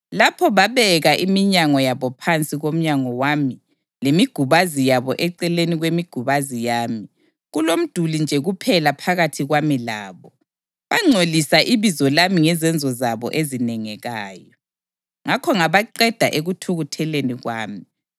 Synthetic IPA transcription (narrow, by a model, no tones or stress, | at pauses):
lapʰɔβaβɛɣaʔimiɲaŋɔjaβɔpʰant͡sʼiɣom̩ɲaŋɔwami | lemiɡ̥ʱuβazijaβɔʔɛǀɛleniɣwemiɡ̥ʱuβazijaːmi | ɣulom̩d̥ʱulind͡ʒʱɛɣupʰɛlapʰaɣatʰiɣwamilaːβɔ | βaŋ͡ǀʱolisaʔiβizɔlamiŋɛzɛnd͡zʱɔzaβɔ̰ʔezinɛŋɛɣaːjɔ | ŋakʰɔŋaβaǃɛd̥ʱa̰ʔeɣutʰuɣutʰɛleniɣwaːmi